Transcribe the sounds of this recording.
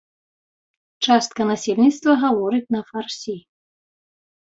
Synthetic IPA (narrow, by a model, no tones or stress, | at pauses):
t͡ʂast̪̚kɐnasʲelʲnʲit̪st̪vɐɣavɔɾɨt͡sʲnɐfarsʲi